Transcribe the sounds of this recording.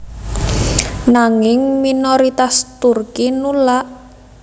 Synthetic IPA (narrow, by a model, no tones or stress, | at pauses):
naŋɪŋminoɾit̪ast̪urkinulaʔ